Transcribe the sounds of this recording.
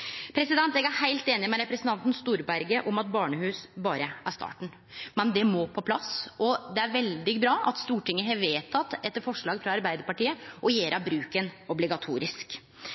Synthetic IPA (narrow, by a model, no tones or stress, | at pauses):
pʰɾɛsɪd̪ɛnt̪ɛɡæɾhæɪlt̪eːnɪmɛɾɛpɾɛsnt̪ɑnt̪n̩st̪uːɾbæɾɡəʔɔmɑt̪̚bɑːɳəhʉːsbɑːɾəʔæʂt̪ɑ̰ːʈɳ̩ | mɛnd̪ɛmoːpʰɔpʰlɑsɔd̪ɛæɾʋɛld̪ɪɡbɾɑːʔɑ̰t̪st̪uːʈɪŋːəɦɑʋeːt̪ʰɑt̪ːɛt̪ːəɾfɔʂɭɑːɡfɾɑɑɾbæɪd̪əɾpɑʈiːəʔɔjeːɾʔɑbɾʉːkənɔblɪɡɑt̪ʰṵːɾɪsk